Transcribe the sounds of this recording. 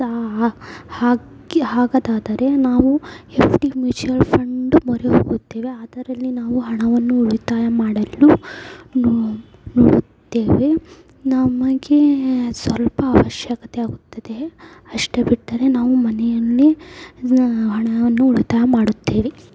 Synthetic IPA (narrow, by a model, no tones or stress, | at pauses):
haː | ɦaːɡɐd̪aːd̪ɐɾe̞naːʋuepʰʈimjuːd͡ʒujɐlpʰɐɳɖumoɾeɦo̰ːɡut̪ːeːʋeɐd̪ɐɾɐlːinaːʋuɦɐɳɐʋɐnːuːɭit̪aːjɐmaːɽɐlːun | noːɽut̪ːeːʋe | nɐmːɐɡesʋɐlpɐːʋɐʃjɐkɐt̪eaːɡut̪ːɐd̪e̞ | ɐʂʈebiʈːɐɾe̞naːʋumɐnɛjɐlːi | ɦɐɳɐʋɐnːuuɭit̪aːjɐmaːɽut̪ːeːʋi